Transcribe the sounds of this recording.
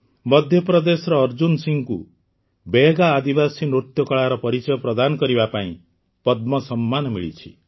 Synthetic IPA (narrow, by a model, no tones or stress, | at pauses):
mɔd̪ʱjɔpɾɔd̪esɔɾɔːɾd͡ʒunsiŋku | beɡaːd̪ibasinɾot̪jɔkɔɭaɾɔpɔɾit͡ʃɔjɔpɾɔd̪anɔkɔɾibapaĩ | pɔd̪mɔsɔmːanɔmiɭḭt͡ʃʰi̥̰